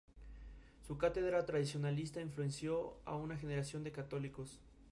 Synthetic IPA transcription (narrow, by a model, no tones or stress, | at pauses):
sukat̪e̞ðɾat̪ɾaðisjo̞nalist̪aiɱflue̞nsjo̞a̰unaxe̞ne̞ɾasjo̞nd̪e̞kat̪o̞liko̞s